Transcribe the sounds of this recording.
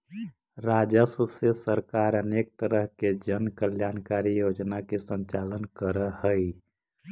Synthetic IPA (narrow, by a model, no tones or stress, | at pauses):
ɾaːd͡ʒəsusesəɾkaːɾəneːk̚t̪əɾəɦked͡ʒənkəljaːnkaːɾijod͡ʒnakesə̃ɲt͡ʃaːlənkəɾəhəi